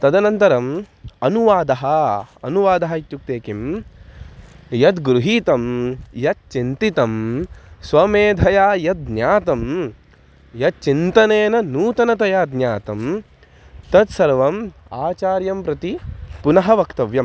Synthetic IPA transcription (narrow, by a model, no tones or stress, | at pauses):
t̪ɐd̪ɐnɐnt̪ɐɾɐm | ɐnuʋaːd̪ɐɦɐɐ̰nuʋaːd̪ɐɦɐit̪juk̚t̪eːkim | jɐd̪ɡɾuɦiːt̪ɐmjɐt̪̚t͡ʃint̪it̪ɐmsʋɐmeːd̪ʱɐjaːjɐd̪̚njaːt̪ɐm | jɐt̪̚t͡ʃint̪ɐneːnɐnuːt̪ɐnɐt̪ɐjaːd̪njaːt̪ɐm | t̪ɐt̪sɐɾʋɐmaːt͡ʃaːɾjɐmpɾɐt̪ipunɐɦɐʋɐkt̪ɐʋjɐm